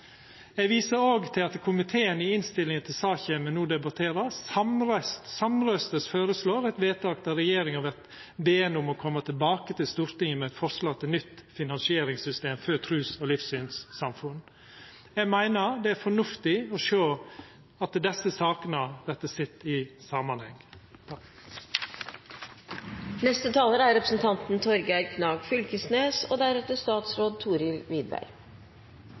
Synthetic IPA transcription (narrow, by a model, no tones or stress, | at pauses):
ɛɡʋiːsəɾoːɡt̪ʰɪlɑt̪kʰʊmɪt̪ʰeːənɪɪnst̪ɪlːɪŋənt̪ʰɪlsɑːçəmɛnuːd̪ɛbɑt̪ʰeːɾɑɑmɾœst̪sɑmɾœst̪əsføːɾəsloːɾɛɪt̪ʋeːt̪ʰɑːk̚t̪ɑɾɛjeːɾɪŋɑʋɛt̪ | beːɛnʊmɔkʰɔmːət̪ʰɪlbɑːkət̪ɪlst̪uːɾt̪ɪŋəmɛɛɪt̪fɔɾʂlɑt̪ʰɪnʏt̪ːfɪnɑnsɪeːɾɪŋsʏst̪eːmfœt̪ʰɾʉːsɔlɪfsyːnsːɑmfʉn | jɛɡmæɪnəɾd̪ɛæfɔɳʉft̪ɪɔʃøː | ɑt̪̚əd̪ɛsəsɑːkənəʋɛt̪əsɪt̪ːɪsɑmɑnhɛŋː | nɛst̪ət̪ʰɑːləɾæɾɛpɾəsn̩t̪ʰɑnt̪n̩t̪ʰɔɾɡæɪɾkʰnɑːɡfʏlkəsneːsoːd̪æɾɛt̪əst̪ɑːt̪sɾoːd̪̚t̪ʰuːɾɪlʋiːd̪̚bæ̰ɾ